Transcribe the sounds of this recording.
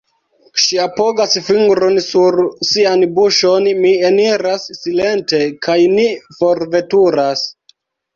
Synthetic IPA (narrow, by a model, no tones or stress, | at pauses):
ʃiapoɡasfiŋɡɾonsuɾsianbuʃo̞nmieniɾasːile̞nte̞kʰajnifo̞ɾve̞tuɾas